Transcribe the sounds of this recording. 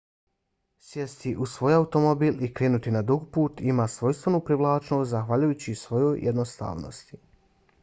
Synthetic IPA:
sjest̪iʔusʋo̞ːjaut̪o̞mobiːlikɾeːnut̪inad̪uɡpuːt̪imaːsʋo̞jst̪ʋenupɾiʋlˠaːt͡ʃnoszaxʋaʎujut͡ɕisʋo̞jojːed̪nost̪a̰ːʋno̰st̪i̥

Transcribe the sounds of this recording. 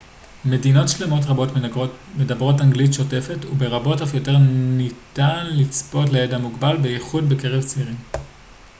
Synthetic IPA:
me̞dino̞tʃle̞mo̞t̬ʁabo̞tmedabʁo̞taŋɡlitʃo̞te̞fe̞tube̞ʁabo̞tafjo̞te̞ʁnitanlit͡spo̞tlejedamuɡbalbejeχudbeke̞ʁevt͡siʁim

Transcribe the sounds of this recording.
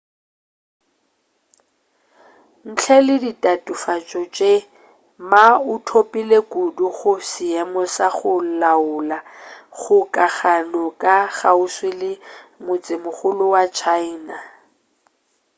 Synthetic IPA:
n̩t͡ɬʰɛlɪditʼatʼufat͡ʃʼɔt͡ʃʼe | maʊtʰopʼilekuduɣʊsɪɛmɔsaχʊlaʊlaɣʊkʼaɣanɔkʼaɣaʊswɪlɪmʊt͡sʼɪmʊχʊlʊwat͡ʃʰaina

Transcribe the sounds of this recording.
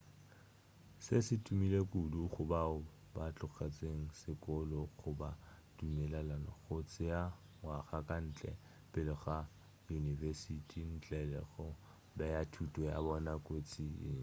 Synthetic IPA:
sɪsɪtʼumilekʼuduχʊbaʊ | bat͡ɬʼʊɣat͡sʼeŋ̩sɪkʼɔlɔɣʊba | dumɛlalanɔ̰ɣot͡sʼɪa | waχakʼan̩ːt͡ɬʼɛ̰ | pʼɪlɪɣa | junivɛsitʼin̩t͡ɬʼɛlɛ̰ɣʊ | bɛjatʰutʼɔja̰bɔnakʼot͡sʼḭ

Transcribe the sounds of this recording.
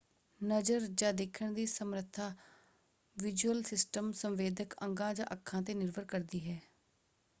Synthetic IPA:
nəd͡ʒəɾd͡ʒãːd̪eːkʰəɳd̪iːsəmɾət̪ʰːaː | ʋɪd͡ʒuəlsɪsʈəmsəmʋeːd̪əkə̃ŋɡãːd͡ʒã̰ːʔəkʰːãːt̪eːnɪɾʋəɾkəɾd̪iːɦɛː

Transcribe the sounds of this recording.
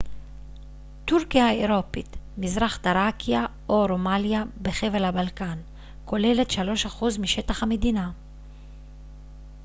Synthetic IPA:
tuʁkijaeʁo̞pitmizʁaχt̪aʁakijaʔo̞ɾo̞maljabeχe̞vlhabalkan | ko̞le̞le̞tʃalo̞ʃaχuzmiʃe̞taχhame̞dina

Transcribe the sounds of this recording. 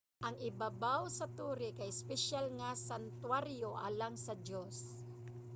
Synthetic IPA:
ʔɐŋɪbabawsɐt̪uːɾɪkɐjspɛʃalŋasant̪waɾjo̞ʔalaŋsɐd͡ʒos

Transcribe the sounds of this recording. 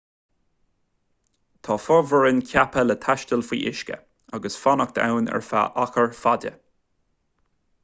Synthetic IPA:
t̪ʰɑːfɔɹvəɹɪnkʰjapʰələt̪ʰaʃtəlfḭːʔɪʃkə̰ | aɡəsfanək̚t̪ʰa̰wnɛ̰ɹfa̰ʔaxəɹfadə̰

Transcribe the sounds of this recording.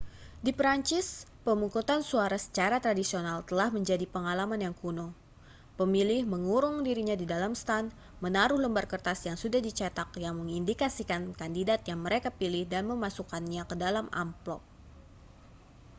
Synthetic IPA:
dipəɾaɲt͡ʃɪspəmukut̪ansuaɾasə̥t͡ʃaɾat̪ɾadisionalt̪əlahməɲd͡ʒadipəŋalamanjaŋkuno | pəmilɪhməŋuɾʊŋdiɾiɲadidalamst̪an | mənaɾʊhləmbarkərt̪asjaŋsudahdit͡ʃat̪akjaŋməŋindikasikankandidat̪jaŋməɾekapilɪhdanməmasukanɲakədalama̰mplɔ̰p̚

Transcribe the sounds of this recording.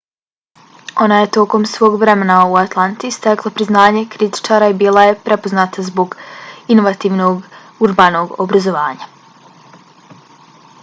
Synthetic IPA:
o̞naje̞t̪o̞ko̞msʋo̞ːɡʋɾe̞me̞nauat̪lˠant̪ist̪eklˠapɾiznaːɲekɾit̪i̥t͡ʃaːɾaibiːlˠaje̞pɾe̞po̞znaːt̪azbo̞ɡino̞ʋat̪iːʋnoɡ | uɾbaːno̞ːɡobɾazo̞ʋaːɲa

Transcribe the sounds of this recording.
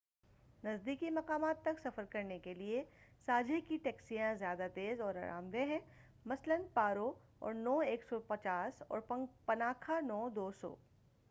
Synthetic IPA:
nɐzd̪iːkimɐqaːmaːt̪ːɐksɐfəɾkɐɾnekeliesaːd͡ʒʱikiʈɛːksijãzjaːd̪at̪eːzɔːɾa̰ːɾa̰ːmd̪ẽɦɛ̃ː | mɐslənpaːɾo | ɔ̰ːɾnɔːeːksɔpɐt͡ʃaːsɔ̰ːɾppɐnaːkʰanɔːd̪oːsɔ̰ː

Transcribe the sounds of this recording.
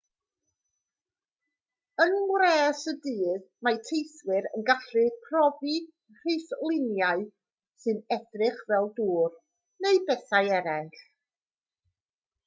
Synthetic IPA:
ənənwɾɛːsədɨːðmatʰejθwɪɾənɡaɬrɨpʰrɔvi | r̥ejθlˠɪnjaɨ | sɨnɛd̥rɪχvɛlˠduːr | neɨbɛθajɛɾɛnɬ

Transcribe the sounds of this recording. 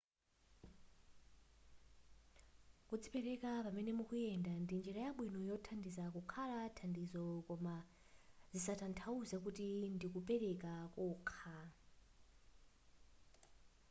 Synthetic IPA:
kud͡zipɛɾɛkapamɛnɛmukujɛndandind͡ʒiɾajaɓwinɔjɔtʰandisakukʰalatʰandizɔkɔma | zisatʰantʰauzakutindikupɛɾɛkakuːkʰa

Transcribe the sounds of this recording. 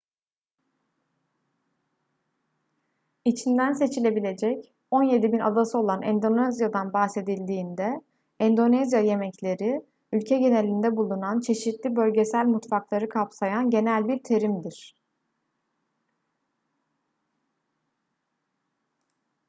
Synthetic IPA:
it͡ʃʰind̪ænse̞t͡ʃʰilʲe̞bilʲe̞d͡ʒɛc | o̞nje̞d̪ibinʔa̰d̪asɯo̞lˠanʔɛ̰nd̪o̞nɛzjad̪anbaxse̞d̪ilʲd̪iːnd̪ɛ | ɛnd̪o̞nɛzjaje̞mɛclʲe̞ɾi | ylʲcʰɛɟe̞nelʲind̪ɛbulˠunant͡ʃʰe̞ʃit̪lʲibø̞lʲɟe̞sælʲmut̪faklˠaɾɯkʰapsajanɟe̞nælʲbiɾt̪ʰe̞ɾimd̪iɾ̥

